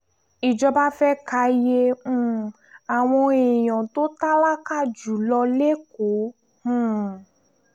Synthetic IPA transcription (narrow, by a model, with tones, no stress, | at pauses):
i˨d͡ʒɔ˧ba˦fɛ˦ka˧jẽ˧˦˧ | a˨w̃ɔ̃˧e˨j̃ɔ̃˨to˦ta˦la˦ka˦˨d͡ʒu˨˦lɔ˧le˦ko˨˦ | hũ˦˨